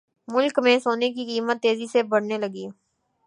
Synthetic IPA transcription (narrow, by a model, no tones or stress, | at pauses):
mʊlkmẽsoːnek̬ikiːmət̪ːeːzisebɐɽ̤nelɐɡiː